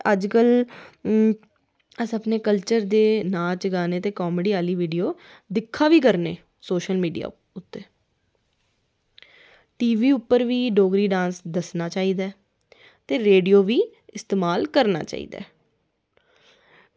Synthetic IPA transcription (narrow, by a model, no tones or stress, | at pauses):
əd͡ʒkəl | əsəpneːkəlt͡ʃəɾd̪eːnaːt͡ʃɡaːneːt̪eːkɔːmeɖiːaːliːʋiːɖijoː | d̪ɪkʰːaːʋiːkəɾneː | soːʃəlmiːɖija̰ː | ʊt̪ːeː | ʈiːʋiːʊpːəɾʋiːɖoːɡɾiːɖãːnsd̪əsnaːt͡ʃaːiːd̪aɛː | t̪eːɾeːɖijoːʋiː | ɪst̪eːmaːlkəɾna̰ːt͡ʃa̰ːḭːd̪a̰ː